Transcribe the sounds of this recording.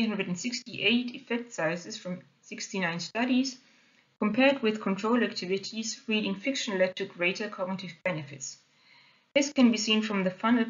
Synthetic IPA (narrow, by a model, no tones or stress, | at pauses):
hãndɹəd̃n̩sɪkstiʔeɪtɨfɛk̚tsaɪsɨsfɹʌ̃m | sɪkstinãɪ̃nstʌɾiz̥ | kʰə̃mpʰɛɹd̚wɪð̥kʰɔ̃ntʰɹ̥oʊlæk̚tʰɪvɪtʰizɹiɾɪ̃ŋfɪkʃə̃nlɛtʰɨɡɹeɪtə˞kʰɔɡnɪtɨvbɛnɨfɪts | ðɪskʰɨ̃nbisĩnfɹʌ̃mðəfanl̩ˠ